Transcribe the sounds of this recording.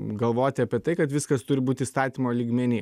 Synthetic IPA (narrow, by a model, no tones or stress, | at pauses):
ɡɐlˠʋoːt̪ʲɪɐpʲiɛt̪ɐɪkɐt̪ʋʲɪskɐst̪ʊɾʲɪbuːt̪ʲɪiːst̪ɑːt̪ʲiːmoːlʲiːɡmʲɛnʲɪː